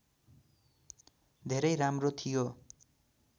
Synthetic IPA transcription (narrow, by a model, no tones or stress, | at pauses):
d̪ʱeɾʌjramrot̪ʰijo